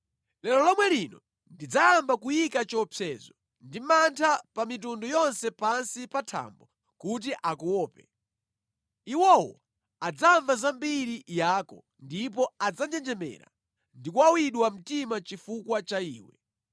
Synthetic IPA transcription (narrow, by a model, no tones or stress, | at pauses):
lɛlɔlɔmwɛlinɔ | ndid͡zaambakujikat͡ʃɔpʰɛːzɔ | ndimantʰapamit̬undɔjɔnsɛpansipatʰa̰mbɔ | kut̬iʔakuwɔːpɛ | iwɔwɔ̰ | ad͡zaɱvazambiɾijaːkɔ | ndip̬ɔad͡zand͡ʒɛnd͡ʒɛmɛ̰ɾa̰ | ndikuwawiɗwam̩timat͡ʃifukwat͡ʃaiːwɛ̰